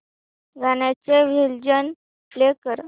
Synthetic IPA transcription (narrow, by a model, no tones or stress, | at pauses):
ɡʱanjat͡seʋild͡ʑən | flekəɾ